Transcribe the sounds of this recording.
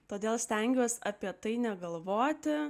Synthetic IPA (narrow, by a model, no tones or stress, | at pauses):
t̪oːd̪ʲeːlˠsʲt̪ʲɛŋʲɡʲuːsɐpʲiɛt̪ɐɪnʲɛɡɐlˠʋoːt̪ʲɪ